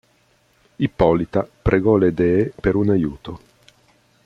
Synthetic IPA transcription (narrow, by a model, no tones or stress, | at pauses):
ipːɔlit̪apɾʔeɡɔled̪ɛepeɾunajuːt̪o